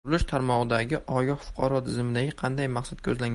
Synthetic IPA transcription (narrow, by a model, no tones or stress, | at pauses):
ɾlɪʃt̪ʰaɾmɒʁɨd̪aɡʲɪʔʔɒjɒfʊ̥qʰɑɾɒt̪ʰɪzmɪd̪aɡʲɪqʰɑnd̪ajmaqsad̪̚kʲʰɵzlaŋ